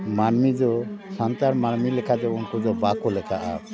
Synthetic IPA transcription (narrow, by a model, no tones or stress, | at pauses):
maɾmid͡ʒɔsant̪aɾmaɽmilɛkʰad͡ʒɔunkud͡ʒɔbakɔlɛkʰaʔa̰